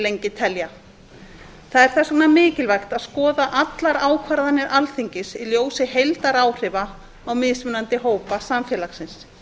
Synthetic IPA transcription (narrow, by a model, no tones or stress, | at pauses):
lejɲcɪt̪ʰɛlja | θaðɛɾ̥θɛsɔknamɪːcɪlvajxt̪aðskɔːðaʔat̪laɾaːwkʰvaɾðanɪɾʔalθiɲcɪsiljoːwsɪɦejlt̪aɾaːwr̥ɪva | awmɪːðsmʏnant̪ɪɦoːwpasamfjɛlaxsɪns